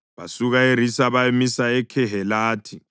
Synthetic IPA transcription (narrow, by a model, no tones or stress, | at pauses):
βa̰suɣaeɾisaβaemisaɛkʰɛɦɛlaːtʰi